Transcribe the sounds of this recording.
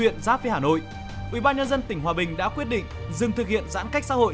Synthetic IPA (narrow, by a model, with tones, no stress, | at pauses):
ḭ˧˨ənzaː˦fi˧əhaː˨˩no̰˧˨j | ʔwi˧˩ɓaː˧nɲə˧nzə˧nt̪ï˨˩ŋ̟ɦwaː˨˩ɓï˨˩ŋ̟ɗa̰ː˧˥kwi˦˥ət̚ɗḭ̈˧˨ŋ̟zɨ˨˩ŋt̪ɨ˨˩k̚hḭ˧˨ənza̰ː˧˥nka˦˥k̚sa̰˧˥ho̰˧˨